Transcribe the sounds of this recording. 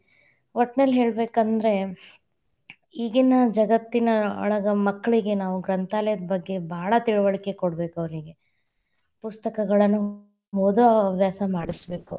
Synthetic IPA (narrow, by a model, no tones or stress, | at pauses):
ʋoʈːneːlɦe̞ːɭbe̞ːkɐnd̪ɾe̞ | iːɡinɐd͡ʒɐɡɐt̪ːinɐɐ̰ɭɐɡɐmɐkːɐɭiɡe̞naːʋuɡɾɐnt̪aːlɛjɐd̪ɐbɐɡːe̞bʱaːɭɐt̪iɭuʋɐɭike̞koɽbe̞ːkɐʋɐɾiɡe̞ | pust̪ɐkɐɡɐɭɐnːu | mod̪ɐɐʋjaːsɐmaːɽisbe̞ːku